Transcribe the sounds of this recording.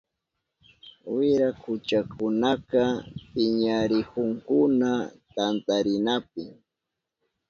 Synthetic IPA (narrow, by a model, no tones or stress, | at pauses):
wɪɾakʊt͡ʃakʊnakapɪɲaɾɪkʊŋkʊnat̪ant̪aɾɪnap̚ɪ